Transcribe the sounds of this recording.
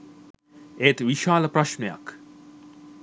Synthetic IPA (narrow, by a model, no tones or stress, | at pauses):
ejt̪ʋiʃaːləpraʃmeja̰k